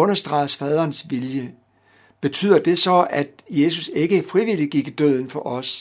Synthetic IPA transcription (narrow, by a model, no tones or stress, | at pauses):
ɔ̽nɐsd̥ʁɑ̈ɪəsfɛð̞ˠɐːnsʋiljə | b̥e̝t͡sʰy̰ːð̞̰ˠɐd̥e̝sɒ̽æd̥je̝suse̝ɡ̥əfʁiʋiliɡ̥iɡ̥id̥øð̰ˠn̩fɒ̽ʔɒ̽s